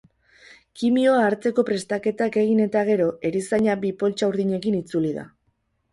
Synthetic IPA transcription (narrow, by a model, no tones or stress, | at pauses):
kimio̞aːɾt͡se̞ko̞pɾe̞st̪ake̞t̪ake̞ɣ̞ine̞t̪aɣ̞e̞ɾo̞e̞ɾisaɲabipo̞lt͡ʃauɾðiɲe̞kinit͡suliða̰